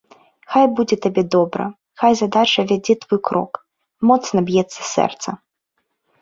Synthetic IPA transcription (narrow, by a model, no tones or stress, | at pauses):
xajbud͡zʲɛt̪abʲɛd̪ɔbɾɐ̰ | xajzad̪at͡ʂɐvʲad͡zʲɛt̪vɔjkɾɔ̰k | mɔt̪snɐbjɛt̪sːɐ̥sʲɛ̰rt̪sɐ